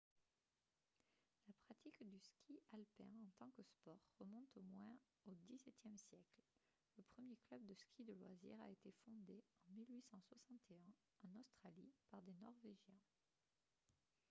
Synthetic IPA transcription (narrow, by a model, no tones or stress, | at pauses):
lapχat̪ikd̪yskʲʰialpɛ̃ɑ̃t̪ɑ̃kəspɔʁːəmɔ̃t̪omwɛ̃ | od̪isɛt̪jɛmsjɛkl | ləpχəmjeklœbd̪əskʲid̪əlwazḭʁa̰et̪efɔ̃d̪eɑ̃milɥisɑ̃swasɑ̃t̪ʰeɛ̃ | ɑ̃nost̪χalipaʁd̪enɔʁveʒjɛ̃